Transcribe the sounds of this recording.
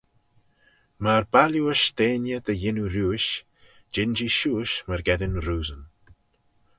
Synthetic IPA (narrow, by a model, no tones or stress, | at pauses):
maɾbaljuəʃd̪eːnjəd̪əjɪnuɾuːʃ | d͡ʒɪnd͡ʒiʃuːʃməɾɡɛd̪ɪnɾuːzən